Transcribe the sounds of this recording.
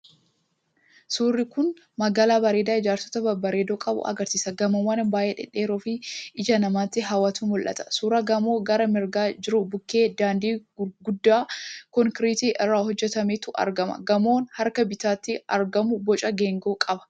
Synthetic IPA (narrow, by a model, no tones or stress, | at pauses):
suːrːɪkʊn | mɐɡaːlaːbɐɾe̞ːd̪aːɪd͡ʒaːɾsɔ̥t̪ɐbɐbɐɾeːd̪oːkʼɐbʊ̰ʔɐ̰ɡɐɾsiːsɐɡɐmɐmɐnɐbaːʔeːᶑɪ̰ᶑːe̞ːɾoːfɪɪd͡ʒɐnɐmaːt̪ːɪɦɐwaːt̪uːnmɔlʔɐ̰t̪ɐ̥suːɾɐɡɐmo̞ːɡɐɾɐmɪɾɡaːd͡ʒɪɾʊbʊkːe̞ːd̪aːnd̪iːɡʊd̪ːaːkɔŋkɪɾiːt̪iːʔɪrːaːhɔd͡ʒːɛt̪ɐmeːt̪ʊʔɐ̰ɾɡɐmɐ̰ɡɐmo̞ːnhɐɾkɐbɪt̪aːt̪ːɪɐɾɡɐmʊbɔt͡ʃʼɐɡeːŋɡoːkʼɐbɐ̥